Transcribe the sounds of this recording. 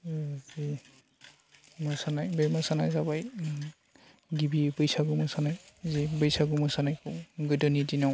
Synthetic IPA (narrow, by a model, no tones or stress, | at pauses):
zi | mɔsanajbɛmasanajzabaj | ɡibibɯjsaɡumasanajzibɯjsaɡumɔsanajkɔɡɯdɔnidinaw